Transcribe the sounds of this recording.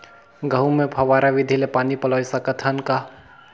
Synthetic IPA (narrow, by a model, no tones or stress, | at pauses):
ɡəɦumẽpʰɐʋaːɾaʋɪd̪ʱilepaːnipɐlɔsakət̪ʰanka